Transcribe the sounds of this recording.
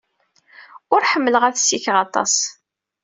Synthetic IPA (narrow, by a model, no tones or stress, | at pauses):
ʊɾħəmːələʁæθsiçʁɑt̪ˤɑ̰s